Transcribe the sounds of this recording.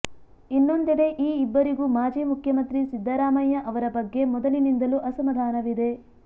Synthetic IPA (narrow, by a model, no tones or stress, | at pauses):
inːo̞nd̪iɽeʔiːibːɐɾiɡumaːd͡ʒiːmukʰjɐmɐnt̪ɾisid̪ʱːɐɾaːmɐjːɐʔɐʋɐɾɐbɐɡːe̞mɔd̪ɐlinind̪ɐluʔɐsɐmɐd̪ʱaːnɐʋid̪e̞